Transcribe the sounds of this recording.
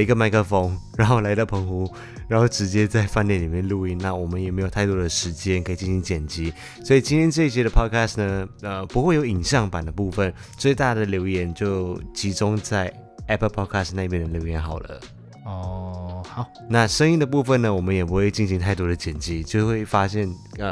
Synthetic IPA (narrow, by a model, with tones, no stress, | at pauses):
i˧˥ɡə˧ma˧˥ɪkʰə˥˩fo˧˩ŋɻa˧˥nxo˥˩la˧˥ɪt̪ɑ˥˩ʊpʰɤ˧˥ŋxu˧˥ | ɻa˧˥nxo˥˩ʊʈ͡ʂɻ̩˧˥t͡ɕjɛ˥t͡sa˥˧ɪfa˥˧njɛ˥˩nli˨˩mjɛ˥˧nlu˥˧i˥˧nna˥˩wɔ˨˩mə˦njɛ˨˩me˧˥ɪo˨˩ʊt̪ʰa˥˩ɪt̪wɔ˥d̪ə˨˩ʂɻ̩˧˥t͡ɕjɛ˥nkʰɤ˧˥i˨˩t͡ɕi˥˩ɕi˧˥ŋt͡ɕjɛ˨˩nt͡ɕi˧˥ | swɔ˧˥i˨˩t͡ɕi˥nt̪ʰjɛ˥nʈ͡ʂɤ˥˧i˥˩ɕjɛ˥d̪ə˨pʰɔ˥kʰa˥stnə˩ə˧pu˧˥xwe˥˩jo˧˥ʊi˨˩ŋɕjɑ˥˩ŋpa˨˩nd̪ə˦pu˥˧fə˥˨n | t͡swe˥˧ɪt̪a˥˩d̪ə˩ljo˧˥ʊjɛ˧˥nt͡ɕjo˥˩ʊt͡ɕʰi˧˥ʈ͡ʂʊ˥ŋt͡sa˥˩ɪ | ɛ˥pʰə˥˧pʰɔ˥kʰa˥stna˥˩mjɛ˥nd̪ə˨ljo˧˥ʊjɛ˧˥nxɑ˨˩ʊlə̰˦ | ɔ˥˩xa˨˩ | na˥˧ʂə˥ŋi˥˧nd̪ə˨p̬u˥˧fə˥˩nə˩wɔ˨˩mə˦njɛ˨˩pu˧˥xwe˥˧ɪt͡ɕi˥˩nɕi˧˥ŋt̪ʰa˥˩ɪt̪wɔ˥ɾə˨˩t͡ɕjɛ˨˩nt͡ɕi˥t͡ɕjo˥˧ʊxwe˥˩ɪfa˥ɕjɛ˥˩nə˧˩